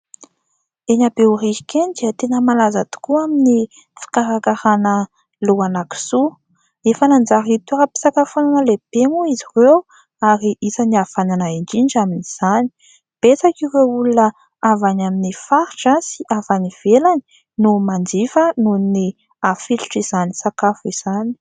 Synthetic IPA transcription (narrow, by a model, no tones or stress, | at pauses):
eɲabeuriikend̪iət̪enəmalazat̪u̥kuamini | fi̥kaɾakaɾanə | luanaki̥su | efənand͡zaɾit̪uɾapi̥sakafonanəleb̥emuizirew | aɾiʔisaniafananaiɳd͡ʒiɳd͡ʒaminiz̥ani̥ | b̥et͡sakiɾeulunə | avanaminifaɾiʈ͡ʂasiʔavaniv̥elani̥ | numand͡ʒifənuni | afilu̥ʈ͡ʂizanisakafuiz̥ani̥